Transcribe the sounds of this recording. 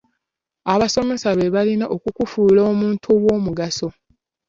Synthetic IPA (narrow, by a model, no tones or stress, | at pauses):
aβaso̞me̞saβe̞βalinaʔokukufuːloːmuːntʰuwo̞ːmuɡaso̞